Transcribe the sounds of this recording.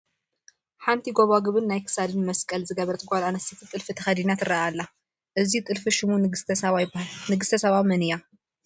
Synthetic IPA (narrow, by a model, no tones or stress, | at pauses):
ħant̪ʰiɡoβaɡɨβɨnːajkʰɨ̥sad̪ɨnmɐskʼɐlzɨɡɐβɐɾt̪ʼɨɡʷʼalanɐst̪it̪ʰit̪ʼɨlfit̪ʰɐxɐd̪inat̪ɨraʔalːa | ʔɨzit̪ʼɨlfɨʃɪmu | nɨɡɨst̪ʰɐsɐβamɐnɨja